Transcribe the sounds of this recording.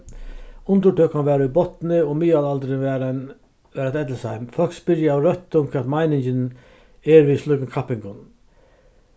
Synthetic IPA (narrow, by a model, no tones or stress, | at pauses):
ʊnt̪ʊʈʰøːkanʋɛːɾʊjbɔt̪nɪɔmiːalalt̪ɾɪʋɛːɾan | ɛːɾat̪ɛt̪lɪsajmfɔlkspɪɾjaaːwɾœht̪ːʊmkʰviːat̪majnɪɲt͡ʃɪn | ɛɾʋislʏkənkʰapːɪŋkʊn